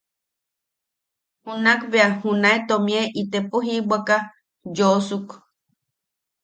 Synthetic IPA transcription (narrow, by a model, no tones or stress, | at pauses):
hunakβeahunaet̪omĩeʔit̪epoɦibaka | josuk